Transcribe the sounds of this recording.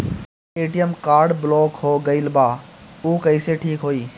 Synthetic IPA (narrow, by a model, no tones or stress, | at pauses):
eːʈijəmkaːɾɖbɪlɔːkɦoːɡɐɪlbaːuːkɐɪseʈʰiːkɦoːiː